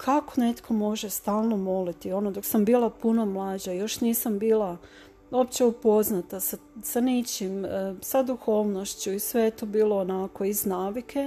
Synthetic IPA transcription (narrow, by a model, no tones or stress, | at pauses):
kʰakone̞t̪kʰo̞mo̞ʒest̪aːlˠno̞mo̞lit̪io̞no̞d̪o̞ksambiːlˠapuno̞mlˠaːd͡ʑajo̞ʃniːsambiːlˠa | o̞pt͡ɕe̞upo̞znat̪asasanit͡ɕimsad̪uxo̞ːʋno̞ʃt͡ɕuisʋeet̪obiːlo̞ːnako̞iznaːʋikʰe̞